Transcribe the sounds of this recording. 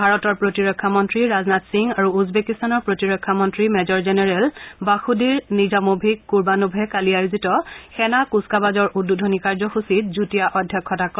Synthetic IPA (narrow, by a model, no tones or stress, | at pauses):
bʱaɹɔtɔɹpɹotiɹɔkʰːamɔntɹiɹaznatsiŋaɹuuzbekistanɔɹpɹotiɹɔkʰːamɔntɹimɛzɔɹzɛnɛɹɛlbaxudiɹnizamobʱikːuɹbanubʱɛkaliajuzitɔxɛnakuskabazɔɹʔudːudʱonikaɹzɔxusit̚zutijaʔɔdʱːjɔkʰːɔtakɔ